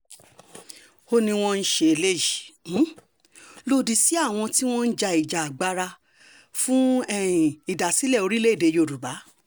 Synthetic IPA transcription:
o˧nĩ˧w̃ɔ̃˧n̩˦ʃe˧˨le˦jĩ˨˦ | lo˧di˧si˨˦a˦˨w̃ɔ̃˧ti˦w̃ɔ̃˦n̩˦d͡ʒa˧i˨d͡ʒa˨ɡ͡ba˧ɾa˧ | fũ˦ɛ˦˨i˨da˨si˨˦lɛ˦˨o˧ɾi˦le˦i˦˨de˨˧jo˧˨ɾu˨ba˨˦

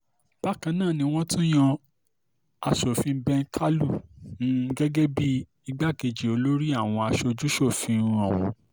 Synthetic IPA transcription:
b̥a˦kã˧nãː˦˨nĩ˧w̃ɔ̃˦tũ˦j̃ã˧ | a˧ʃo˨fĩ˧˦bɛ̃˧n̩˦tʰa˦lu˦˨nũ˦ɡɛ˦ɡɛ˦bi˦ | i˧ɡ͡ba˦ke˧d͡ʒi˨o˨˧lo˦ɾi˦a˦˨w̃ɔ̃˧a˧ʃo˧d͡ʒu˦ʃo˦˨fĩ˧˦˧ɾ̃ɔ̃˨w̃ɔ̰̃˨˧

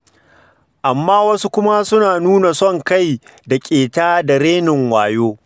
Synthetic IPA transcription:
ʔa˨mːaː˦wɐ˦su˦kʷʊ˦ma˦sʊ˦naː˨nuː˦na˨sɔ˦˨ŋka˦˨j | da˨kʲʼeː˨taː˦da˨ɽeː˦nɪ˨ŋwaː˨joː˦

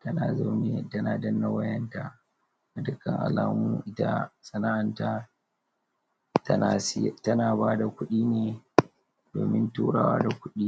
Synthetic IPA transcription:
tɐ˦naː˨za˦wne˦tɐ˦naː˨dɐ˦nːa˨wɐ˦jɐ˦nta˨ | a˨dʊ˦kːɐ˨ŋʔa̰˨laː˦muː˦ʔɪ˦ta̰˦sʼɐ˨na˦ʔa˨nta˦ | tna˨sɪ˦˨tɐ˦naː˨baː˦da˨kʷʊ˦ɗiː˦neː˨ | d̥oː˨mɪ˦ntuː˦ɽaː˨wa̰ː˦da˨kʷʊ˦ɗiː˦

